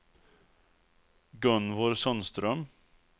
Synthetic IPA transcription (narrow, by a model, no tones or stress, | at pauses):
ɡɵnvɔɾsɔnst̪ɾœm